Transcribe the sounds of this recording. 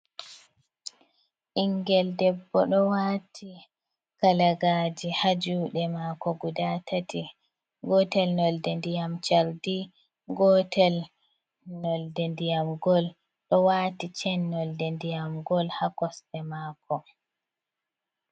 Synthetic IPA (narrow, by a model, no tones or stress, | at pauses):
ʔiŋɡɛldɛbːɔɗɔwaːtʰi | kalaɡad͡ʒihad͡ʒuːɗɛmaːkɔɡudatʰati | ɡɔtɛlnɔldɛndijamt͡ʃaɾdi | ɡɔtɛl | nɔldɛndijamɡɔl | ɗɔwaːtit͡ʃɛnːɔldɛndijamɡɔlhakɔsɗɛmaːkʰɔ